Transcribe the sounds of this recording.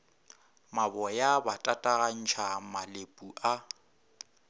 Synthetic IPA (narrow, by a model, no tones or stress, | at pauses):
mabɔjabatʼatʼaɣan̩t͡ʃʰamalepʼuʔa